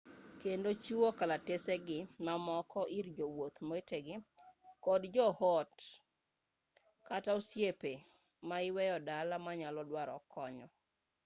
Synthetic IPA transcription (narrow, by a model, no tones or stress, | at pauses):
kendot͡ʃuokalateseɡɪnamɔkɔʔiɾd͡ʒowot̪moeteɡɪkɔdd͡ʒɔhɔt | katausjepe | maɪwɛjɔdalamaɲalɔdwaɾɔ̰kʰɔɲɔ